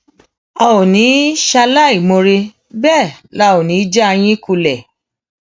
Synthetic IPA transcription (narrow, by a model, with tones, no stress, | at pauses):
ɔ˧o˨nĩ˨˦ʃa˧la˦˨i˨mõ˧ɾe˧ | bɛ˦˨la˨˦˨o˨nĩ˨˦d͡ʒa˦a˧j̃ĩ˦ku˧lɛ˨